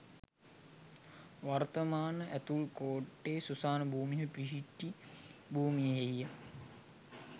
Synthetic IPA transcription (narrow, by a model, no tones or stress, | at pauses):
ʋart̪əmaːnəʔæt̪ulkoːʈːeːsusaːnəbʱuːmijəpiʃiʈːibʱuːmijəɦeijə